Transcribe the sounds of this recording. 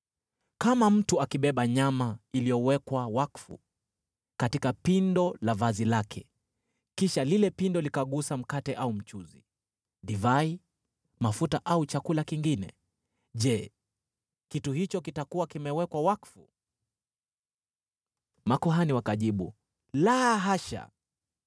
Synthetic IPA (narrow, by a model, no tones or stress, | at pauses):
kamam̩tuakiɓɛɓaɲamailijɔwɛkwawakfṵ | katikapindɔlavazilakʰɛ̰ | kiʃalilɛpindɔlikaɠusam̩katɛʔaum̩t͡ʃuzi | ɗivai | mafutaʔaut͡ʃakulakiŋɡinɛ̰ | ʄɛ | kituhit͡ʃɔkitakuwakimɛwɛkwawakfṵ | makuɦaniwakaʄiɓu | laɦaʃa̰